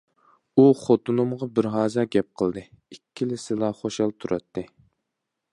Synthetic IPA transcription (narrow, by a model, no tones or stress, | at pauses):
uχot̪ʰunumʁɑbɪɾɦɑːzɑɡʲɛp̚qʰəlˠd̪ɨ | ikʲʰːilɪsɪlˠɑχoʃɑlˠt̪ʰuɾʔɑt̪ʰːɨ